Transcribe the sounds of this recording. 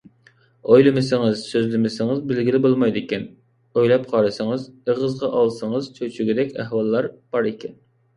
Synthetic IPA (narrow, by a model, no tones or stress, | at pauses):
ojlˠɨmɪsɪŋɨz̥søzlɪmɪsɪŋɨzbɪlɡʲilɪbolˠmɑjd̪ɪkʲɛn | ojlˠɑp̚qʰɑɾɨsɨŋɨzəʁəzʁɑʔɑlˠsɨŋɨzt͡ʃʰøt͡ʃʰyɡʲid̪ɛkʲæhwɑlˠːɑɾb̥ɑɾɪkʲʰɛn